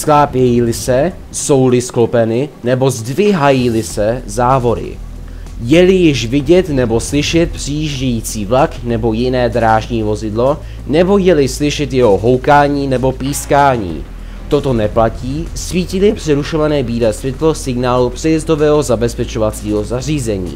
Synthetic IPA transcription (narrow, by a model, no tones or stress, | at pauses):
sklaːpjɛjilɪsɛ | so̞wlɪsklo̞pɛnɪnɛbo̞zdvɪɦajilɪsɛzaːvo̞ɾɪ̰ | jɛlɪjɪʃvɪɟɛt̪nɛbo̞slɪʃɛt̪̚pr̥ɪjiːʒɟɛjiːt͡siːvlaknɛbo̞jɪnɛːd̪ɾaːʒɲiːvo̞zɪdlo̞ | nɛbo̞jɛlɪslɪʃɛt̪jɛɦo̞ɦo̞wkaːɲiːnɛbo̞piːskaːɲḭː | t̪o̞t̪o̞nɛplaciːsviːcɪlɪpr̥ɛɾuʃo̞vanɛːbiːlɛːsvɛt̪lo̞sɪɡnaːlupr̥ɛjɛzd̪o̞vɛːɦo̞zabɛspɛt͡ʃo̞vat͡siːɦo̞zar̝iːzɛɲḭː